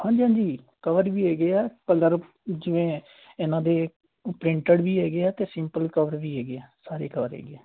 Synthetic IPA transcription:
hãːɲd͡ʒiːɦãːd͡ʒiː | kəʋəɾʋiːɦɛːɡeɛːpələɾ | d͡ʒɪʋẽː | ɪnãːd̪eː | pɾɪ̃ɳʈəɽʋiːɦɛːɡeɛːt̪eːsɪ̃mpəlkəʋəɾʋiːɦɛːɡeːɛːsaːɾeːkəʋəɾɦɛ̰ːɡɛː

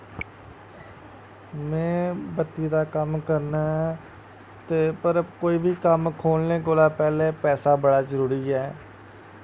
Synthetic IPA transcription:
mɛ̃ːbət̪ːiːd̪aːkəmkəɾnaː | t̪eːpəɾkoːiːbʱiːkəmkʰoːlnẽːkoːlaːpɛːleːpɛːsaːbəɽaːzəɾuːɾiːɛː

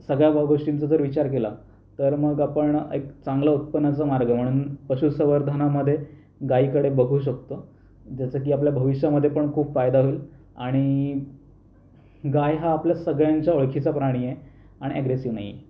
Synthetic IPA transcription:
səɡɭjabəɡoʂʈint͡sad͡zəɾʋit͡ɕaɾkela | t̪əɾməɡapəɳḛkt͡saŋɡlaut̪̚pənːat͡səmaɾɡəm̤əɽ̃uːnpəɕusəʋəɾd̪ʱənaməd̪ʱːje | ɡaikəɽebəɡʱuːɕ̬ək̚t̪o | d͡ʑjat͡sək̬iːap̬ljabʱəʋiʂjaməd̪ʱːjepəɳkʰuːbfajd̪aɦoeil | a̰ɽ̃i | ɡajɦaːpljasəɡɭjaɲt͡ɕjaoɭkʰit͡sapɾaɽ̃ije | aɽiæɡɾesiʋna̰ɦijḛ

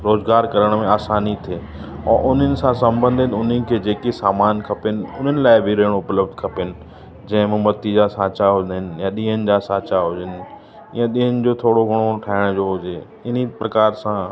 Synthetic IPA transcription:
ɾoːzɡaːɾkɐɾəɽ̃mẽaːsaːnit̪ʰeː | ɛ̃ːʔʊn̤ənɪ̆sãsɐ̃mbə̃nd̪ʱɪt̪ʊn̤ənɪ̆kʰeːd͡ʑeːkesaːmaːnkʰɐpɪnɪ̆ʊn̤ənɪ̆laːɪbʱɪɾɐːɪɽ̃õʊpləbd̪ʱkʰɐpɪnɪ̆ | d͡ʑɐ̃ɦɪ̃mʊ̃mbɐt̪ːid͡ʑasaːt͡ɕaɦʊɪnɪ̆jãɗĩːɦənɪ̆d͡ʑaːsaːt͡ɕaɦʊd͡ʑɪnɪ̆ | ãɗĩːənɪ̆d͡ʑoːt̪ʰoːɽoɡʱɐɽ̃oʈʰaːɪɽ̃d͡ʑoːɦʊd͡ʑeː | ɪnipɾɐkaːɾsã

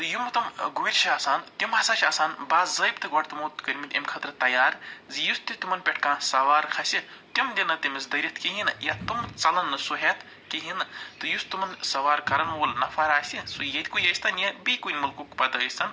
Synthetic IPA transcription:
t̪ɨjumɐt̪ɐmɡojɾʲt͡ʃʰiaːsaːnt̪ʲimɦɐsaːt͡ʃʰʲaːsaːnbaːzzɐjbt̪ɨɡɐʈt̪umot̪kɐɾʲmit̪ʲɐ̰mʲkʰɐt̪ɾt̪ɐjaːɾzijust̪it̪umɐnpʲeʈʰkãːsɐʋaːɾkʰɐsʲit̪ʲimd̪ʲɐnɐt̪imisd̪ɐɾʲɐt̪ʰkiɦinjat̪umt͡sɐlɐnːɨsuɦeːt̪ʰ | kiɦint̪ɨjust̪umɐnsɐʋaːɾkɐɾɐnwolnɐfʰaɾaːsʲisujɐt̪ʲkujɐst̪ɐnjɐbikunʲmɐlkukpɐd̪ɐəsɐn

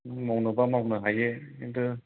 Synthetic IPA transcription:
mawnɯbamawnɯɦajeendɯ

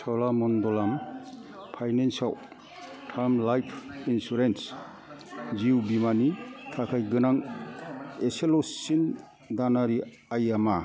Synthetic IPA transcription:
tʰawlamɔndɔlam | pʰajnensaw | tʰaɾmlajpʰinsuɾens | d͡ʒiwbimanitʰakʰajɡɯnaŋ | eselosin | d̪anaɾi | ajama

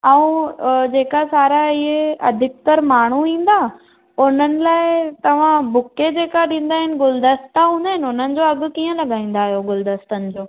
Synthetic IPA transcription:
ɐ̃ũd͡ʑeːkasaːɾaɪɦeɐd̪ʱɪk̚t̪əɾmaːɳ̤uĩːnd̪aː | ʊn̤ənɪ̆laːɪt̪ɐʋ̤ãbʊked͡ʑeːkaɗĩːn̆d̪aːɦɪnɪ̆ɡʊld̪əst̪aɦũːnd̪aːɦɪnʊn̤ənɪ̆d͡ʑoːɐɡʊ̆kiːə̃lɐɡʱaːĩːn̆d̪aːɦijoɡʊld̪əst̪ənɪ̆d͡ʑoː

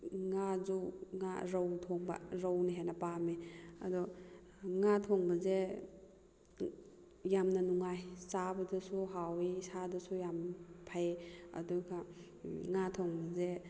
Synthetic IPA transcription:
ŋazuŋa̰ɾɔwtʰoŋba̰ɾɔwniɦenɐpameɐ̰dɔ | ŋatʰɔŋbɐze | jamnɐnuŋajsabɐdɐsuɦawisadɐsujampʰajeɐ̰duɡa | ŋatʰɔŋbɐze

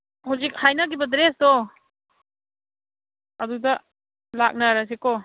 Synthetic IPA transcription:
hawzik̚hajnaɡibɐdɾesdɔ | ɐdudɐ | lak̚naɾas̬ekɔ

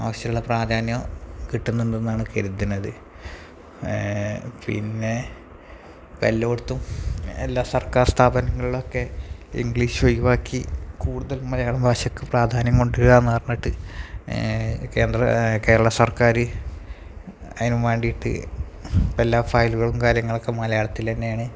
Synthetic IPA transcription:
a̰ːʋɐɕjɐuɭːepraːd̪ʱaːnjɐkiʈːunːinenːaːɳɨkeɾut̪ːinːɐðɨ | pḭnːe̞ | pɐlːoːɽt̪ːumḛlːaːsɐrkaːrst̪ʰaːbɐnɐŋːɐɭiɭo̞kːe̞ḭŋɡɭiːɕuʋɐjuʋaːkːikuːɽuðɐlmɐlɐjaːɭumbʱaːɕɐkːɨpraːd̪ʱaːnjɐŋko̞ɳɖɨɣaenːɐʋɐrnːɐʈːɨ | ke̞ːnd̪rɐke̞ːɾɐɭɐsɐrkaːɾɨ | ɐ̰ðinumʋeːɳɖijiʈːɨ̰ | pɐlːaːfɐːjluɣɐɭumkaːɾjɐŋːɐɭokːe̞mɐlɐjaːɽɐt̪ːilt̪ɐnːejaːɳɨ

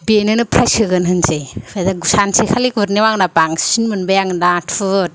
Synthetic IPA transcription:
benɯnɯpʰɾajsɯɡɯnɦɯnzejpʰadaɡusansekʰalikuɾniwaŋnapaŋsinmɯnbajaŋdatʰɯt̚

